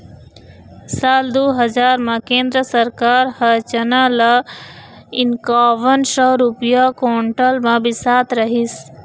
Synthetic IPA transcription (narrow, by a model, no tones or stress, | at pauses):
saːld̪oɦəd͡ʒaːɾmãkẽːnd̪ɾəsəɾkaːɾhət͡ʃənala | ɪnkaːʋənsɔɾupijakoːɳʈəlmãbɪsaːt̪ɾəɦis